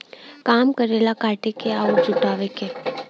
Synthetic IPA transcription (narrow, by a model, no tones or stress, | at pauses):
kaːmkəɾeːlakaːʈekeaːuɾd͡ʒʊʈaːʋekeː